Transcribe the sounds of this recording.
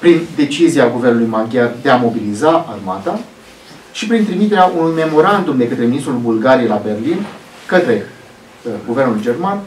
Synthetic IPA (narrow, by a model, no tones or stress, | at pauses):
pɾind̪e̞t͡ʃiziaɡuve̞rnulujmaɡʲard̪e̞amo̞bilizaarmat̪a | ʃipɾint̪ɾimit̪e̞ɾeaʔunujme̞mo̞ɾand̪umd̪e̞kət̪ɾeminist̪ɾulbulɡaɾijejlabe̞rlin | kət̪ɾe̞ | ɡuve̞rnuld͡ʒe̞rman